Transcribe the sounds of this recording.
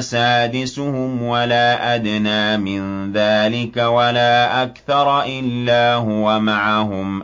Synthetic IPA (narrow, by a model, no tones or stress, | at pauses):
saːd̪ɪsʊhʊmwalaːʔad̪naːmɪnðaːlɪkawalaːʔakθɑɾˤʔɪlːaːɦʊwamaʕaɦʊm